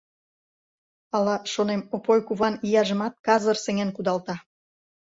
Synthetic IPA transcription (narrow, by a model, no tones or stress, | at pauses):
ɑlɑʃonemopojkuβɑnijɑʒə̆mɑt̪̚kɑzərseŋenkud̪ɑlt̪ɑ